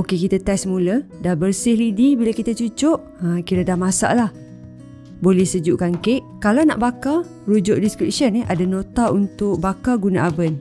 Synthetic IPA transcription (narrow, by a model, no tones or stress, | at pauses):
okekit̪at̪ɛsəmulədabərsɪhlidibilakit̪at͡ʃut͡ʃʊʔ | əkiɾadamasa̰ʔlah | bolɛhsəd͡ʒuʔkaŋkeʔkalawna̰ʔbaka | ɾud͡ʒʊʔdiskɾip̚ʃəneʔadanot̪aunt̪ʊk̚bakaɡunaʔabən